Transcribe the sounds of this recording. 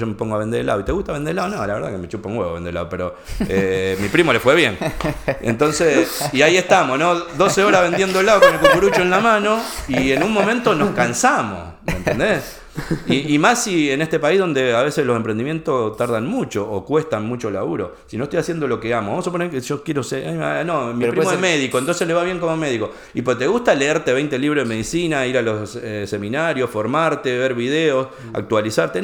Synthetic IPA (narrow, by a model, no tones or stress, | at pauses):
ʒome̞po̞ŋɡoaβe̞nd̪eɾlːaðoit̪e̞ɣuht̪aβend̪eelaðonõ̰laβe̞ɾðakemet͡ʃupaŋɡweɣend̪eela̰ðope̞ɾo | emipɾimo̞lefweβje̞ŋḛnt̪o̞nsesiaie̞ht̪amo̞sno̞ðo̞seoɾaβe̞nd̪je̞nd̪oelːaðokonelkukuɾut͡ʃoenlamãno̞ienunmõ̞mẽnt̪o̞noskansamo̰smnt̪end̪es | iːmasiene̞ht̪e̞paihðo̞nd̪e̞aβe̞selo̞sempɾend̪imje̞nt̪ot̪aɾðanmut͡ʃoʔːkwe̞st̪anmut͡ʃo̞la̰uɾo̰ | sinoeht̪ojasje̞nd̪olo̞keamoβamosuponekeʒ̥okjeɾosea̰jmnõmiɾpɾmomeðikoent̪onseleβaβje̞ŋko̞mome̞ðiko̞ | ipot̪e̞ɣuht̪ale̞eɾt̪eβejnt̪eliβɾohðemeðisinaiɾalo̞sese̞mĩnaɾjo̞sfo̞ɾmaɾt̪e̞βe̞ɾβiðeos | a̰k̚t̪walisaɾt̪e